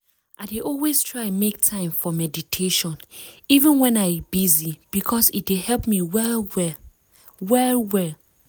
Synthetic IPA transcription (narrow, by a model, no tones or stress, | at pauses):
ʔaɪdeʔɔlˠwestʰɹ̥aɪɛ̃nmek̚tʰãɪ̃mfɔmɛditʰeʃɔ̃nivə̃nwɛ̃naɪbizib̥ikʰɔsit̚d̥ehɛlpmiwɛlwɛ | wɛlwɛl